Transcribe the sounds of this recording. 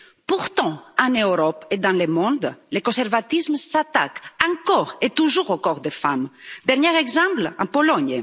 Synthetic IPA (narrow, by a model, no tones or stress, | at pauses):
puʁt̪ɑ̃ɑ̃nøɾɔped̪ɑ̃lemɔ̃d̪lekɔ̃sɛɾvat̪ismsat̪a̰kɑ̃kɔʁet̪uʒuʁokɔʁd̪efamd̪ɛʁnɲɛʁɛɡzɑ̃plɑ̰̃pɔlɔɲ